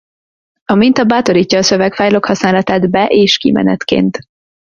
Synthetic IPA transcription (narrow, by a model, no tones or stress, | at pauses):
ɒmint̪ɒbaːt̪o̞ɾiːcːɒːsø̞vɛkfajlo̞khɒsnaːlɒt̪aːd̪bɛʔeːʃkḭmɛ̰nɛ̰t̪kḛːnt̪